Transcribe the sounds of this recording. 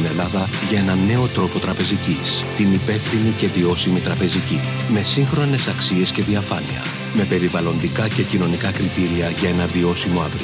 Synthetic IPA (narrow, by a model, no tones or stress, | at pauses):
inelɐðɐ | ʝɐe̞nɐne̞o̞t̪ɾo̞po̞t̪ɾɐpe̞zicist̪inipe̞fθinice̞vio̞simit̪ɾɐpe̞zici | me̞siŋxɾo̞ne̞sɐksie̞sce̞ðiɐfɐniɐ̰ | me̞pe̞ɾivɐlo̞nd̪ikɐce̞cino̞nikɐkɾit̪iɾiɐʝɐe̞nɐvio̞simo̞ɐvɾi